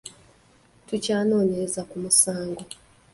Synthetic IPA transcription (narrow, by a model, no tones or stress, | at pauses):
tucaːno̞ːne̞ɾe̞zakumusaːŋɡo̞